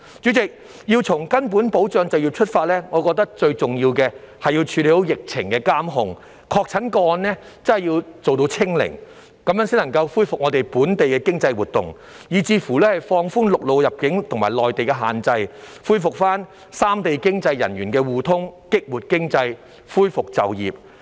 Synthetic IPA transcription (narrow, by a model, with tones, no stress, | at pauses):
t͡ʃyː˨˥t͡sɪ˨k̚ | jiː˧wt͡sʰʊ˨˩ŋkɐ˥npuː˨˥npo˨˥wt͡sœː˧ŋt͡sɐ˨wjiː˧wt͡ʃʰɵ˥t̚faː˧t̚lɛː˥ŋɔː˨˧kɔː˧k̚t̪ɐ˥k̚t͡ʃɵ˧ɥt͡sʊ˨ŋjiː˧wkɛː˧ | hɐ˨jiː˧wt͡ʃʰyː˨˧liː˧o˥wjɪ˨k̚t͡sʰɪ˨˩ŋkɛː˧kaː˥mɦʊ˨ŋ | kʰɔː˧k̚t͡sʰɐ˨˥nkɔː˧nːɛː˥ | t͡sɐ˥hɐ˨˩jiː˧wt͡so˨wt̪̬o˧wt͡sʰɪ˥ŋlɪ̰˨˩ŋ | kɐ˨˥mjœː˨˥ŋsi˥nɐ˨˩ŋkɐ˧wfuː˥jfʊ˨k̚ŋɔː˨˧t̪e˨jpuː˨˥nt̪e˨jkɛː˧kɪ˥ŋt͡sɐ˧jwuː˨t̪̚ʊ̰˨˩ŋ | jiː˨˩t͡siː˧˩fuː˨˩lɛː˥hɐ˨jfɔː˧ŋfuː˥nlʊ˨k̚lo˨wjɐ˨p̚kɪ˨˥ŋt̪ʰŋmaː˨˩jlɔː˨jt̪e˨jkɛ˧ɦa̰ː˨˩nt͡sɐ˧jfuː˥jfʊ˨k̚faː˥n | saː˥mt̪e˨jkɪ˥ŋt͡sɐ˧jːɐ̰˨˩nɥyː˨˩nkɛː˧wuː˨˩t̪ʰʊ˥ŋkɪ˥k̚wuː˨t̚kɪ˥ŋt͡sɐ˧j | fuː˥jfʊ˨k̚t͡sɐ̰˨wjḭː˨˩p̚